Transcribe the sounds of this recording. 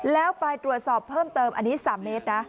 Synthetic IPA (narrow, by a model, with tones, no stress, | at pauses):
lɛː˦˥wpa˧jt̪ɾu˨˩ət̪̚sɔː˨˩pʰːɤː˥˩mt̪ɤː˧mʔa˧nːiː˦˥saː˩˦mːeː˦˥t̪̚na˦˥